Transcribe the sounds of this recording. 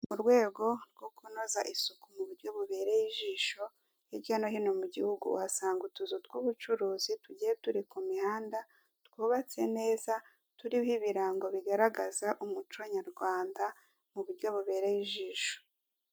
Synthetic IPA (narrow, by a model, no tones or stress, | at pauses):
muɾɡwe̞ːɡo̞ɾɡo̞kunozaʔisukumuβuɾɟo̞βuβe̞ːɾejiʒiːʃo̞ | jiɾɟanoɦino̞muɟihuɡṵwasaːŋɡutuzutwuβut͡ʃuɾuːzituɟijetuɾikumihaːnda | tkwuːβat͡se̞ne̞ːza | tuɾiβhiβiɾaːŋɡo̞βiɡaɾaɡazaʔumut͡ʃoɲaɾɡwaːnda | muβuɾɟo̞βuβe̞ːɾejiʒiːʃo̥